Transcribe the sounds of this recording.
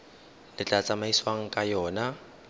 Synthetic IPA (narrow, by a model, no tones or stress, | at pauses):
lɪt͡ɬʼat͡sʼamaiswaŋ̩kʼajɔːna